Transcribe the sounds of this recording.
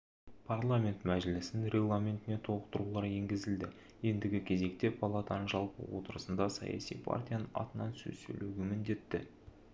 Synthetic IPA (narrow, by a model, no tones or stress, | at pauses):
pʰarlˠamʲe̞nt̪mæʒɪlɪsɪnɾʲeɡlˠamʲe̞nt̪ɪne̞t̪ʰo̞lˠəqt̪əɾulˠɑɾje̞ŋɡʲɪzɪld̪ɪ | je̞nd̪ɪɡʲɪkʲʰe̞ze̞kt̪e̞pʰalˠat̪anəʒɑlˠpə̰wot̪əɾəsənd̪ɑsɑ̰jɑ̰sijpʰa̰rt̪ʲijanənɑ̰t̪ənɑnsɵ̰zsɵ̰luɡʲɪmɪnd̪e̞t̪ːɪ̰